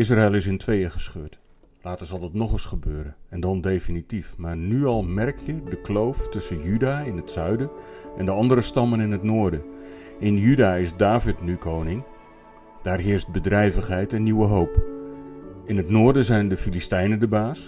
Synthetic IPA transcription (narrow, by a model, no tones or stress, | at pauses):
ɪs̬raɪlˠɪs̬ɪntʰʋejəχə̥sχøːt | laːtəzɑlˠdɑtnɔχəsχəbøːɾənɛndɑndejfinitifmaːrnyɑlˠmɛrkjədəklowftɵsənjydaːɪnɦətsœɥdəʔɛndəɑndəɾəstɑmənɪnɦətnʊːɹdə | ɪnjydaːɪzdaːvɪtnykʰownɪŋ | d̥aːrɦɪərst̚bədrɛjvəχɦɛjtɛnːiwəɦowp | ɪnɦətnʊːɹdəzɛjndəfilistɛjnəndəbaːs